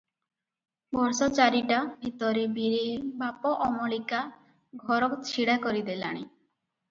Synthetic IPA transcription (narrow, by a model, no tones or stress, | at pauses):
bɔɾsɔt͡ʃaɾiʈabʱit̪ɔɾebiɾebapɔʔɔmɔɭika | ɡʱɔɾɔkt͡ʃʰiɽakɔɾid̪ela̰ɽ̃i